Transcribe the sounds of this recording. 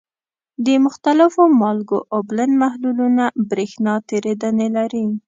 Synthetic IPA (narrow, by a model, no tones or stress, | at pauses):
d̪əmʊxt̪alɪfomɑlɡoʔoblənmahlulunabɾixnɑt̪eɾed̪ənelaɾi